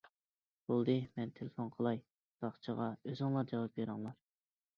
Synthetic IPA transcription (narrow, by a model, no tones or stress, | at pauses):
b̥olˠd̪ɨmɛnt̪ʰelefonqʰəlˠɑj | b̥ɑχt͡ʃʰəʁɑøzɨŋlˠɑɾd͡ʒɑwɑp̚beɾɨŋlˠɑɾ